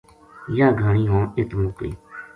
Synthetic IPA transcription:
jaːɡʱaːɳiːɦõːɪt̪moːklḭː

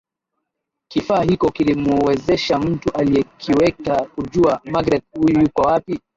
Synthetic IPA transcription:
kifaːɦikɔkilimuɔwɛzɛʃam̩tuʔaliɛkʰiwɛkakuʄuamaɡɾɛt̚hujujukwawapi

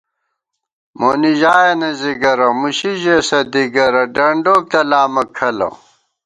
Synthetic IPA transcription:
moːniʑaːjɐnɐziɡɐɾɐmuɕiʑesɐd̪iɡɐɾɐɖɐɳɖoːk̚t̪ɐlaːmɐkʰɐlɐ̰

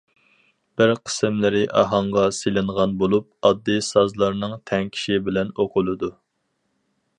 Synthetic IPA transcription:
b̥ɪɾqʰə̥sɪmlɪɾɪʔɑ̰ɦɑɴʁɑselɪɴʁɑnbolˠup̚ɑd̪ːɨsɑzlˠɑɾnɨŋt̪ʰɛŋkʲʰi̥ʃibɪlɛnoqʰʊlˠɨd̪u

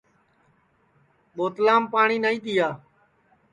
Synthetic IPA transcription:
ɓoːt̪laːmpaːɳiːnaːĩːt̪iːaː

